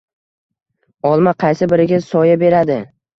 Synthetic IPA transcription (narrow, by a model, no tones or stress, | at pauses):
ɒlˠmaqʰɑjsɪbɪɾɪɡʲasɒjabe̞ɾad̪ɪ